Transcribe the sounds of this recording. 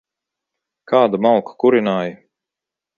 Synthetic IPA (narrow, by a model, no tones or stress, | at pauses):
kaːd̪amalˠkḁkuɾinaːji